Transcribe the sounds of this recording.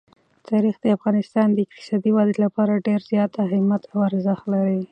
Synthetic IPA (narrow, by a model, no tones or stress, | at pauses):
t̪ɑɾixd̪əafɣɑnɪst̪ɑnd̪əɪk̚t̪ɪ̥sɑd̪iwɑd̪əlapɑɾaɖeɾzjɑt̪aɦɪmat̪awaɾzaxlaɾi